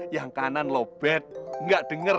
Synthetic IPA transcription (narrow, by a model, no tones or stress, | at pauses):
jaŋkananlob̥ɛt̪̚ŋɡaʔd̪̥ə̤ŋə